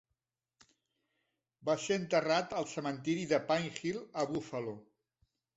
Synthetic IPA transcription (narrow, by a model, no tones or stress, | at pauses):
baseənt̪ərat̪əlˠsəmənt̪iɾiðəpaŋxilˠəβufəlo